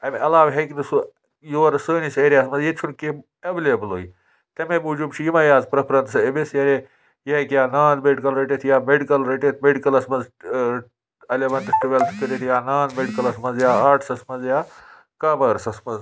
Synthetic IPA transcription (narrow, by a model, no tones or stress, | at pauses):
ɐmʲɐlaːʋɦekinɨsu | juʋɐɾɐsəːnisɐɾʲeɐsmɐzjet͡ʃʰunke | eʋeleblo̰ːji | t̪ɐmemud͡ʒubt͡ʃʰijimɐjaːzpɾɐpʰɾɐnt̪sɐebesjɐɾʲe | jiekjaːnaːnmeɖikɐlɾeʈet̪ʰjaːmeɖikɐlɾeʈet̪ʰmeɖikɐlɐsmɐz | elʲeʋɐntɐsʈuʋelsi̥kʲuɾiʈ̪ijaːnaːnmeɖikɐlɐsmɐzjaːaːʈʰsɐsmɐzjaː | kaːbɐɾsɐsmɐz